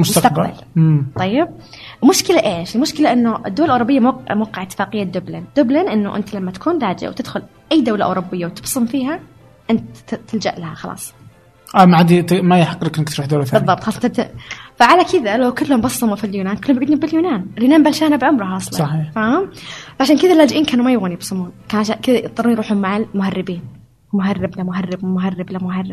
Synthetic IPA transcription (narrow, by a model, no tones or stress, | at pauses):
mʊsmt̪t̪abqalba̰lmt̪ˤːɑjːɪb̚ | lmʊʃkɪlaʔeːʃɪlmʊʃkɪlaʔɪnːʊʔɪd̪ʊwːalʔʊːɾʊbːɪjːammwɑqːɑʕɪt̪ːɪ̥faːqɪjːad̪ʊblɪnd̪ʊblɪnʔɪnːʊ̰ʔɪ̰nt̪alamːat̪ḁkʰuːnlaːd͡ʒʔa̰wt̪ɪd̪xʊl | ʔajːd̪awlaʔʊ̰ːɾʊbːɪjːawt̪ɪbsˤɨmfiːɦa | ʔɪnt̪t̪ɪld͡ʒaʔlahaxɑlɑ̰ːsˤ | ʔamaʕad̪it̪majaħɑqːlɪkʔɪnɪkt̪ɾuːħd̪oːlaθbɨðˤːɑb̚t̪ˤxɑːsˤt̪faʕalakɪðalawkɪlːhʊmbɑsˤːɑmufiljuːnaːnkʊɪlːhʊmjɡid̪nimbɪljuːnaːnɪljuːnaːnbalʃaːnabʕʊmɾˤɑɦɑːsˤlɑsˤɑħiːħfahʊmfaʕaʃaːnkɪðalːaːd͡ʒɪʔiːnkaːnumajʊɣuːnjɪbsˤʊmuːnkaʕaʃankɪðat̪ˤːɑɾˤunjɾuːħʊmːaʕalmʊharːɪbiːn | mʊɦarːɪblamʊɦarːɪbmʊɦarːɪblamʊɦarːɪb̚